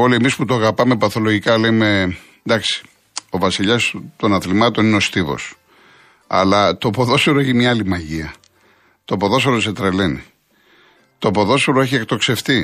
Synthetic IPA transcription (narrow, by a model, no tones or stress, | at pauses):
olie̞misput̪oɐɣɐpɐme̞pɐθo̞loʝikɐleme | d̪ɐksi̥ | o̞vɐsiʎɐst̪o̞nɐθlimɐt̪o̞nineo̞st̪ivo̞̰s | ɐ̰lɐt̪opo̞ðo̞seɾoeçimɲɐɐlimɐʝiɐ | t̪opo̞ðo̞seɾoset̪ɾeleni | t̪opo̞ðo̞seɾoeçiekt̪o̞kse̞ft̪i